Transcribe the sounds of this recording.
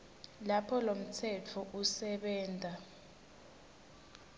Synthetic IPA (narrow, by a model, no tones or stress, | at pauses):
lapʰɔlom̩tʰɛt͡fʰɔʔusɛɓɛːntʼa